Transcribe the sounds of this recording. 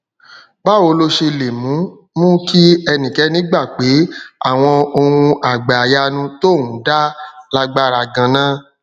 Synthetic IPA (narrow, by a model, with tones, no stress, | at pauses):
ba˦o˧lo˧ʃe˧le˨mũ˨˦ | mũ˦ki˦ɛ˧nĩ˨kɛ˨˦nĩ˨˦ɡ͡ba˦˨k͡pe˨˦a̰˦˨w̃ɔ̃˧o˧ɾũ˧a˨ɡ͡ba˨ja˧nũ˧to˦˨wũ˨˦da˦la˦ɡ͡ba˦˨ɾa˧˨ɡã˧nã˦